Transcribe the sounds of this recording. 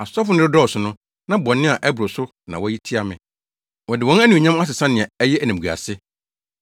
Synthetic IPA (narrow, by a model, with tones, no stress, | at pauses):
a˨sʊ˦ɔ˦fʊ˨˦nɪ̃˦ɪ˦dɔ˦ɔ˨sʊ˨nʊ̃˦ | nã˦bɔ̃˨nːɪ̃˦a˨ʔɛ˦bʊ˨ɾʊ˨sʊ˦ | nã̰˨wɔ˦ji˦tʰi˦a˨mɪ̃˨ | wɔ˨dɪ˨wɔ̃˦nɛ˦nĩ˨ɲã˦ma˦s̬ɪ˨sã˦nɪ̃˨ɛ˨ɛ˦jɛ˦æ˨næ̃˨ɡu˨a̰˨sɪ˦